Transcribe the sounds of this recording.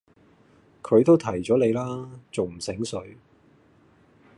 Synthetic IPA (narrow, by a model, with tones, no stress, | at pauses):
kʰɵ˨˧ɥt̪o˥wt̪ʰɐ˨˩jt͡sɔː˨˥le˨˧jlaː˥t͡so˨wm̩˨˩sɪ˨˥ŋsɵ˨˥ɥ